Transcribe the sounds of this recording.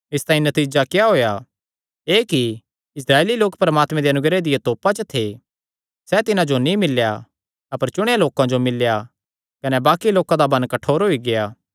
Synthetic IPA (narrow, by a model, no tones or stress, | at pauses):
ɪst̪aːĩnɐt̪iːd͡ʒakejaɦoːja | eːki | ɪsɾaːeːliloːkpɐɾəmaːt̪mɛ̃d̪eɐnʊɡɾed̪ɪjet̪oːpat͡ʃət̪ʰe | sɛt̪ɪnãd͡ʒonĩmɪlːja̰ | ɐpəɾt͡ʃʊɽ̃ejaloːkãd͡ʒomɪlːja | kɐnɛbaːkiloːkãd̪abɐ̃nkɐʈʰoːɾɦoiɡejaː